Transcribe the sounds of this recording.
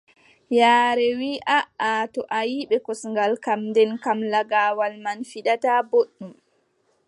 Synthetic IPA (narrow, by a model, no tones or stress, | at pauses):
jaːɾɛwiːʔaʔatɔʔajiɓɛkɔsŋɡalkamndɛnkamlaɡaːwalmanfiɗataboɗːum